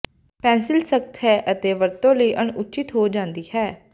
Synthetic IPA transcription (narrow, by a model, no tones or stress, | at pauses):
pɛ̃ːnsɪlsək̚t̪ɦɛːʔət̪eːʋəɾt̪õːləiːʔəɳʊt͡ʃɪt̪ɦoːd͡ʒãːnd̪iːhɛː